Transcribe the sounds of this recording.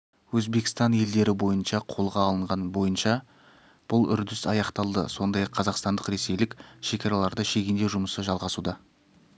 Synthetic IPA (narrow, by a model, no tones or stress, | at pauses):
wɵzbe̞kʲɪ̥st̪ɑnje̞ld̪e̞ɾɪbo̞jənʃɑqʰo̞lˠʁɑːlˠəɴʁɑnbo̞jənʃɑ | b̥ʊlˠʏ̰ɾd̪ɪsɑjɑqt̪ɑlˠd̪ə̰so̞nd̪ɑjɑqʰːɑzɑqst̪ɑnd̪əqɾe̞se̞jlɪkʲʃe̞kʲɑɾɑlˠɑɾd̪əʃe̞ɡʲɪnd̪e̞ʒʊməsəʒɑlˠʁɑsud̪ɑ